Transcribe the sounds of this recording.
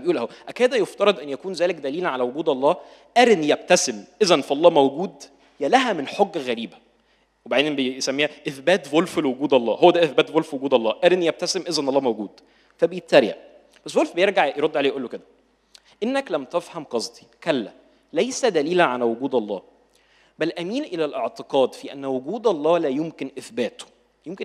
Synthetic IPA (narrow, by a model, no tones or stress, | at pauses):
bejʔuːlʔæhwæʔækæːd̪æjoft̪ɑɾˤɑd̪ʔænːjækuːnzæːlekd̪æliːlæʕalæwoɡuːd̪ʔɑlˤːɑː | ʔæɾnjæb̚t̪æsemʔezænfiʔɑlˤːɑːmæwɡuːd̪ | jælæɦæmenħoɡːæɣæɾiːbæ | webaʕd̪eːenbejsæmːiːhæʔeθbæːt̪volflwoɡuːd̪ʔɑlˤːɑ̰ːhowːæd̪æʔeθbæːt̪volfwoɡuːd̪ʔɑlˤːɑːʔæɾenjæb̚t̪æsemʔezænʔɑlːˤɑːmæwɡuːd̪̥ | fæbejet̪ːæɾja̰ʔ | bæsːvolfbejeɾɡaʕjeɾod̪ːʕaleːjʔulːoked̪æ | ʔenːæklæmt̪æfhæmqɑsˤt̪ˤi̥kælːæ | læjsæd̪æliːlæʕalæwoɡuːd̪ʔɑlˤːɑ̰ː | bælʔæmiːnʔelælʔeʕt̪eqɑːd̪fiʔæ̰nːwoɡuːd̪ɑlˤːɑːlæjomkenʔeθbæːt̪o̥ | jemke